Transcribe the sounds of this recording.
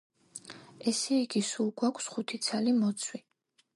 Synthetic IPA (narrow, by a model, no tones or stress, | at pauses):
ɛsɛiɡisulˠɡwakʷʰsχut̪ʰit̪sʰalimɔt̪sʰwi